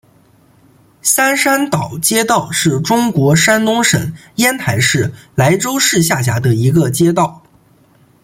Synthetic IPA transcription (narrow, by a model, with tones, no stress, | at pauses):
sa˥nʂa˥nt̪ɑ˨˩ʊt͡ɕjɛ˥t̪ɑ˥˧ʊʂɻ̩˥˩ʈ͡ʂʊ˥ŋkwɔ˧˥ʂa˥nnʊ˥ŋʂə̰˨˩˦ŋ | jɛ˥nt̪ʰa˧˥ɪʂɻ̩˥˩la˧˥ɪʈ͡ʂo˥ʊʂɻ̩˥˧ɕ̬ja˥˩ɕ̬ja̰˧˥d̪ə˧i˧˥ɡə˧t͡ɕjɛ˥t̪̬ɑ˥˩ʊ